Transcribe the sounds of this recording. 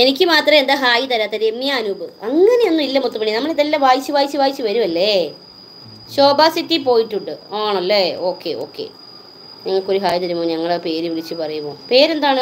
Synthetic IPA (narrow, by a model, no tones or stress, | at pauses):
e̞nikʲːɨmaːt̪rɐme̞nd̪aːɦaːjit̪ɐɾaːt̪ːɐɾemːjaːnuːbɨɐŋːɐne̞jonːuilːɐmut̪ːupɐɳinɐmːɐɭeðelːɐʋaːjit͡ɕːɨʋaːjit͡ɕːɨʋaːjit͡ɕːɨʋɐɾumɐlːe | ɕo̞ːbaːsitːipo̞ːjiʈːuɳɖɨoːɳɐlːeo̞ːkːe̞̰o̞̰ːkːḛ | ɲɐŋːɐɭko̞ɾuɦaːjit̪̬ɐɾumoːɲɐŋːɐɭepe̞ːɾɨʋiɭit͡ɕːɨpɐrɐjumoːpeːɾe̞nd̪aːɳɨ